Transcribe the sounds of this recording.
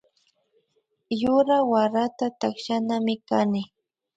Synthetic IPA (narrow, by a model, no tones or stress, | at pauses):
jʊɾawaɾat̪at̪akʃanamɪkanɪ